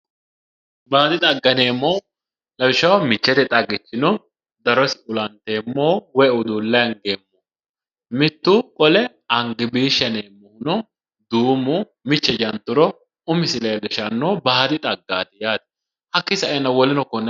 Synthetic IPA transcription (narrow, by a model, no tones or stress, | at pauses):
baːd̪ɪt̪ʼɐɡːɐne̞ːmːoː | lɐwɪʃɐwmɪt͡ʃːɛt̪ɛt̪ʼɐɡːɪt͡ʃːɪnɔ | d̪ɐɾɔsɪʊlɐnt̪eːmːoːwɛʊd̪uːlːɐjɐŋɡeːmːu | mɪt̪ːukʼɔlɛ | ɐŋɡɪbiːʃɐneːmːɔnɔ | d̪uːmʊ | mɪt͡ʃːɛd͡ʒɐnt̪ːʊɾɔ | ʊmɪsɪlɐjlɛʃɐnːoːbaːd̪ɪt̪ʼɐɡːaːt̪ɛjaːd̪ɐ̥ | hɐkːɪsɐʔɛnːɐwɔlɪnɔkɔnːɛ